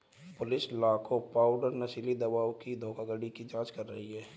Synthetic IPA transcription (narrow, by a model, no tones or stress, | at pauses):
pʊlɪslaːkʰopaːʊɖəɾnəsilid̪əbaːwkid̪ʱoːkaɡəɽikid͡ʒãːd͡ʒkəɾːə̰ɦiɦɛː